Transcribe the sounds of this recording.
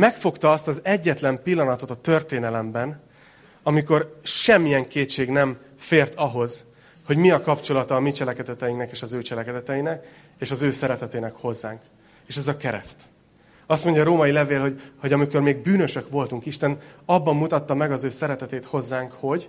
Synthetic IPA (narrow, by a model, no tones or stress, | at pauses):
mɛkfo̞kt̪ɒɒst̪ɒzɛɟːɛt̪lɛmpilːɒnɒt̪o̞t̪ɒt̪ørt̪eːnɛlɛmbɛn | ɒmiko̞rʃɛmːijɛŋkeːtt͡ʃːeːɡnɛm | feːrt̪ɒɦo̞z̥ | ho̞ɟmiɒkɒpt͡ʃo̞lɒt̪ɒːmit͡ʃɛlɛkɛd̪ɛt̪ɛjiŋnɛkeːʃɒzøːt͡ʃɛlɛkɛd̪ɛt̪ɛjinɛk | eːʃɒzøːsɛɾɛt̪ɛt̪eːnɛkho̞zːaːŋk | eːʃɛzɒkɛɾɛ̰st̪ | ɒst̪mo̞ɲɟjɒːɾoːmɒjilɛveːlɦo̞ɟho̞ɟɒmiko̞rmeːɡ̚byːnø̞ʃø̞kʋo̞lt̪uŋkiʃt̪ɛnɒbːɒmːut̪ɒt̪ːɒmɛɡɒzøːsɛɾɛt̪ɛt̪eːt̪ho̞zːaːŋkho̞ɟ